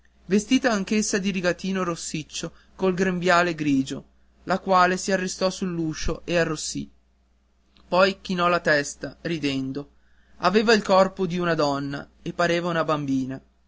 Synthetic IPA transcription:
vest̪iːt̪aːŋkesːad̪iɾiɡat̪iːnoɾosːit͡ʃːo | kolɡɾembjaːleɡɾiːd͡ʒo | lʔakwaːlesiarːest̪ɔsulːuːʃoʔearːosːḭ | pɔjk̟inɔlat̪ɛst̪aɾid̪ɛnd̪o | aveːvailkɔrpod̪iunad̪ɔnːa̰epːaɾeːvaunabambiːna

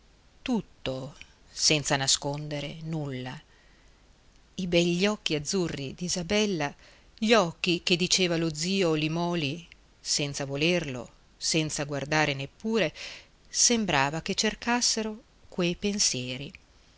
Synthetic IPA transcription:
t̪ut̪ːo | sɛnt̪sanaskond̪eɾḛnulːa | ibɛʎːɔkːiad̪zːurːid̪izabɛlːa | ʎɔkːik̟ed̪it͡ʃeːvalod̪ziːolimɔːli | sɛnt̪savolerlo̰ | sɛnt̪saɡward̪aːɾenepːuːɾe | sembɾaːvaket͡ʃːerkasːeɾo | kwejpensjɛːɾi

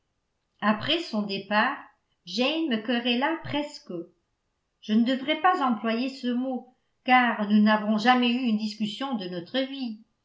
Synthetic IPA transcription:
apχɛsɔ̃d̪epaːʁ | ʒɛjnməkɔʁɛlapχɛsk | ʒ̥ənəd̪əvʁɛpazɑ̃plwajesəmo | kaʁnunavɔ̃ʒamɛyynd̪iskʲysjɔ̃d̪ənɔt̪χəvi

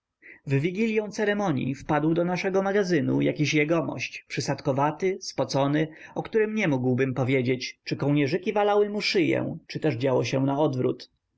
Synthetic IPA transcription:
vːʲiɡʲilʲjɔ̃w̃t̪sɛɾɛmɔɲjḭfpad̪wd̪ɔnaʂɛɡɔmaɡazɘnṵja̰kʲiɕjɛɡɔmɔ̰ɕt͡ɕpʂɘsat̪kɔvat̪ɘspɔt̪sɔnɘɔkt̪uɾɘmɲɛmuɡwbɘmpɔvʲjed͡ʑet͡ɕt͡ʂɘkɔwɲɛʐɘkʲivalawɘmuʂɘjɛ̰̃t͡ʂɘt̪ɛʐd͡ʑawɔɕɛw̃naɔd̪vɾṵt̪

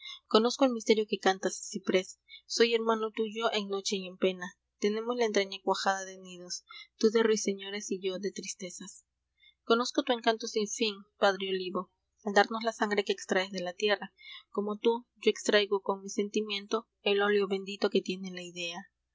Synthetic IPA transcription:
ko̞no̞skoelmist̪e̞ɾjo̞ke̞kant̪assipɾe̞sːo̞je̞ɾmãno̞t̪uʝo̞ʔe̞ŋno̞t͡ʃe̞ie̞mpe̞na | t̪e̞ne̞mo̞slaent̪ɾaɲakwaxaðaðeniðo̞st̪uðe̞rwise̞ɲo̞ɾe̞siʝo̞ðe̞t̪ɾist̪e̞sas | ko̞no̞skot̪ue̞ŋkant̪o̞siɱfiŋpaðɾeoliβo̞ | ald̪aɾno̞szlasaŋɡɾe̞ke̞ːkst̪ɾaezðe̞lat̪je̞rako̞mo̞t̪uɟ͡ʝoe̞kst̪ɾajɣo̞ko̞ŋmise̞nt̪imjẽ̞nt̪o̞ | e̞lo̞ljo̞βe̞nd̪it̪o̞ke̞t̪je̞nelaiðe̞a

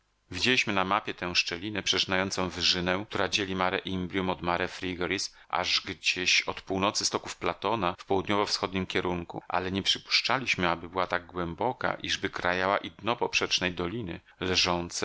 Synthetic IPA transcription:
vʲid͡ʑelʲiɕmɘnamapʲjɛt̪ɛ̃w̃ʂt͡ʂɛlʲinɛpʂɛt͡ʂnajɔnt̪sɔ̃w̃vɘʐɘnɛ̃kt̪uɾad͡ʑelʲimaɾɛʔimblʲjumɔd̪maɾɛfɾʲiɡɔɾis | ʔa̰ʐɡd͡ʑeɕɔt̪puwnɔt̪sɘst̪ɔkufplat̪ɔnafpɔwud̪ɲɔvɔfsxɔd̪ɲimkʲɛɾuŋkṵʔa̰lɛɲɛpʂɘpu̥ʂt͡ʂalʲiɕmɘabɘbɘwat̪aɡ̚ɡwɛmbɔka̰ʔiʐbɘkɾajawa̰ʔid̪nɔpɔpʂɛt͡ʂnɛjd̪ɔlʲinɘ̰ | lɛʐɔnt̪sɛ

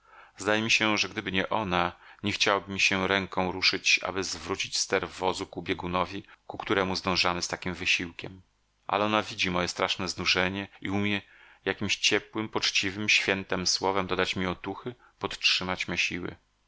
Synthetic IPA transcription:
zd̪ajɛmʲiɕɛʐɛɡd̪ɘbɘɲɛʔɔnaɲɛxt͡ɕawabɘmʲiɕɛɾɛŋkɔ̃w̃ɾuʂɘt͡ɕa̰bɘzvɾut͡ɕit͡ɕst̪ɛɾvɔzukubʲjɛɡunɔvʲikukt̪uɾɛmuzd̪ɔ̃w̃ʐamɘst̪akʲimvɘɕiwkʲɛm | ʔa̰lɛɔnavʲid͡ʑimɔjɛst̪ɾaʂnɛznuʐɛɲɛiumʲjɛ | jakʲimɕt͡ɕɛpwɘmpɔt͡ʂt͡ɕivɘmɕfʲjɛnt̪ɛmswɔvɛmd̪ɔd̪at͡ɕmʲiɔt̪uxɘ | pɔt̪t͡ʂʂɘmat͡ɕmaɕiwɘ̰

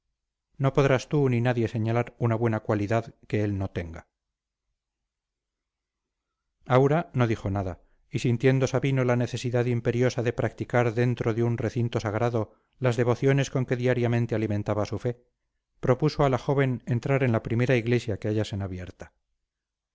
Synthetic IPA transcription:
no̞po̞ðɾast̪uninaðje̞se̞ɲalaɾunaβwe̞nakwaliðaðke̞e̞lno̞t̪e̞ŋɡa | awɾano̞ðixo̞naða | isint̪je̞nd̪o̞saβino̞lane̞θe̞siðaðimpe̞ɾjo̞saðe̞pɾak̚t̪ikaɾðe̞nt̪ɾoðeunre̞θint̪o̞saɣɾaðo̞ | lazðe̞βo̞θjo̞ne̞sko̞ŋke̞ðiaɾjamẽ̞nt̪e̞alimẽ̞nt̪aβasufe̞ | pɾo̞puso̞alaxo̞β̞e̞ne̞nt̪ɾaɾe̞nlapɾime̞ɾaiɣle̞sjake̞aʝase̞naβje̞ɾt̪ḁ

